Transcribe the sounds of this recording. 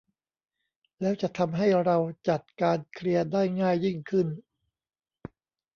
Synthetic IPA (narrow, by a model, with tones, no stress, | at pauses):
lɛː˦˥wt͡ɕa˨˩ʔt̪ʰa˧mɦa˥˩jɾa˧wt͡ɕa˨˩t̪̚kaː˧nkʰli˧ɐdaː˥˩jŋaː˥˩jːi˥˩ŋkʰɯ˥˩n